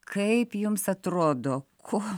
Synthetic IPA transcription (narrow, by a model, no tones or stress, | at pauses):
kʰɐɪpjʊmsɐt̪ɾoːd̪oːkʰoː